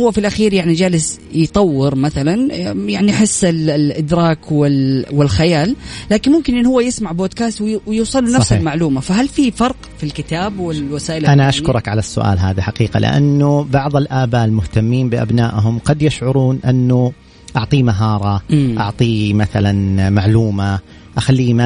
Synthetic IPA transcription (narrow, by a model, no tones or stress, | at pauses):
ʊwːafilʔaxiːɾjaʕnid͡ʒaːlɪsjt̪ˤɑwːɪɾmaθalanjaʕniħɪsːɪlʔɪd̪ɾˤɑːkwɪlwɪlxajaːlːaːkɪnmʊmkɪnʔɪnːhʊwːajɪsmaʕboːd̪kaːst̪wwjuːsˤɑlːnafsɪlmaʕluːmafaɦalfifɑɾˤq | filkɪt̪aːbwɪwasaːʔɪlʔanaʔaʃkkʊɾˤɑkʕalasːʊ̰ʔa̰ːlɦa̰ːðaħaqiːqa̰lʔɪ̰ʔa̰nːʊbɑʕðˤɪlʔaːbaːʔɪlmʊht̪amːiːmbɪʔa̰bnaːʔɦʊmqɑd̪jaʃʕʊɾuːnʔɪnːʊ | ʔɑʕt̪ˤiːmaɦɑːɾˤɑʔɑ̰ʕt̪ˤiːmaθalanmaʕluːma | ʔaxalːiːma